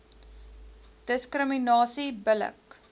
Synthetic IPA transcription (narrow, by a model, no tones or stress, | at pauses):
d̥əskrəminɑːsibələ̰k